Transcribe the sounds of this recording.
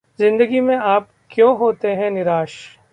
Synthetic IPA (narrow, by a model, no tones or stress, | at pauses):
zɪ̃nd̪əɡimẽaːp̚ | kjõːɦoːt̪eɦɛ̃nɪɾaːʃ